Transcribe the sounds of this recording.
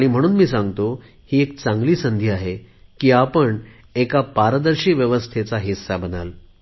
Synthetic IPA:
aɽ̃im̤əɽ̃uːnmiːsãŋɡt̪o | hiːek̚t͡saŋɡliːsənd̪ʱiaɦekiːapəɳ | ekapaɾd̪əɾɕiːʋjəʋəst̪ʰet͡saɦisːabənal

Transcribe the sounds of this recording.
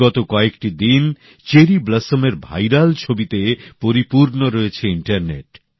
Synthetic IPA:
ɔt̪okɔekʈid̪in | t͡ɕeɾibləsomeɾbʱa̰jɾalt͡ɕʰobit̪epoɾipuɾnoɾoet͡ɕʰeiɳʈaɾnḛʈ̚

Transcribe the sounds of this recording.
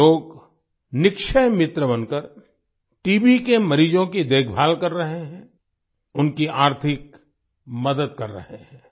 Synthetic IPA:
oːɡ | nɪkʃəjmɪt̪ɾəbɐnkəɾ | ʈiːbikemɐɾiːd͡ʒõkid̪eːɡʰbʱaːlkɐɾːɐɦeɦɛ̃ː | ʊnkiaːɾt̪ʰɪk | mɐd̪əd̪̚kɐɾːɐ̰ɦeɦɛ̃ː

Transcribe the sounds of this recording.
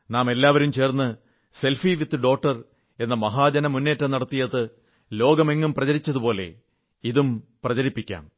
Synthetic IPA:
naːme̞lːaːʋɐɾumt͡ɕe̞ːrnːɨ | se̞lfiʋit̪ːɨɖo̞ːk̚ʈːɐr | e̞nːɐmɐɦaːd͡ʑɐnɐmunːe̞ːtːɐnɐɽɐt̪ːijɐðɨ | lo̞ːɡɐme̞ŋːumprɐt͡ɕɐɾit͡ɕːɐðupo̞ːle̞̰ | iðumprɐt͡ɕɐɾipːikʲːa̰ːm

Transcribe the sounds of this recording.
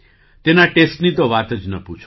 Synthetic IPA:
t̪enaʈesʈnit̪oʋat̪əd͡ʒnəput͡ʃʰo

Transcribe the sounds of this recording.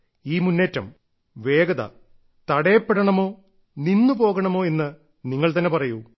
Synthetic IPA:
iːmunːeːtːɐm | ʋe̞ːɡɐðɐ̰ | t̪ɐɽɐjɐpːeɽɐɳɐmo̞ː | ninːupo̞ːɣɐɳɐmo̞ːe̞nːɨ | niŋːɐɭt̪ɐnːe̞pɐrɐju

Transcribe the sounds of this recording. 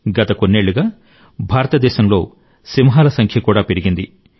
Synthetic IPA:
ɡɐt̪ɐko̞nːe̞ːɭːuɡaː | bʱaːɾɐt̪ɐd̪ɛːʃɐmlo̞̰ː | simɐɦaːlɐsɐŋkʰjɐkuːɽaːpe̞ɾiɡind̪i

